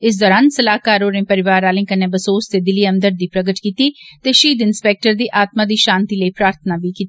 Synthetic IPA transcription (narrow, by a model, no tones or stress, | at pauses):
ɪs̬d̪ɔːɾãːnsəlaːkaːɾoːɾẽːpəɾɪʋaːɾaːlɪ̃ːkəneːbəsoːst̪eːd̪ɪliːə̃nd̪əɾd̪iːpɾəɡəʈkiːt̪iːt̪eːʃiːd̪ɪnspɛːk̚ʈəɾd̪iːʔaːt̪mãːd̪iːʃãːnt̪iːləiːpɾaːɾt̪ʰənaːbiːkiːt̪ː